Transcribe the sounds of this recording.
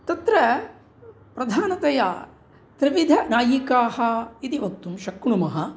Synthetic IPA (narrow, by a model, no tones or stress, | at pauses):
t̪ɐt̪ɾɐ | pɾɐd̪ʱaːnɐt̪ɐja̰ː | t̪ɾiʋid̪ʱɐnaːjikaːhɐ̆it̪iʋɐk̚t̪umʃɐkɳumɐɦɐ